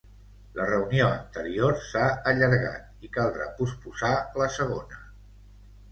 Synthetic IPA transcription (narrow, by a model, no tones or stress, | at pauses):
lʔərəunioənt̪əɾioɾsaəʎəɾɣa̰t̪̚ikalˠd̪ɾa̰puspuzaləsəɣ̞onə